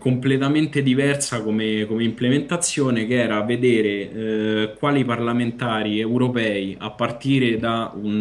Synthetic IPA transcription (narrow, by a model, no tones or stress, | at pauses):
komplet̪ament̪ed̪ivɛrsakomekomeimplement̪at̪sːjoːnekeɛːɾaːvːed̪eːɾe | kwaːliparlament̪aːɾiewɾopɛːia̰pːart̪iːɾed̪aun